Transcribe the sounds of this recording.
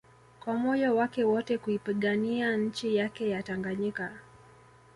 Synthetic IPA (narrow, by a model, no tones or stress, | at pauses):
kwamɔjawakɛwɔtɛkuipiɠaniaɲ̩t͡ʃijakɛjataŋɡaɲika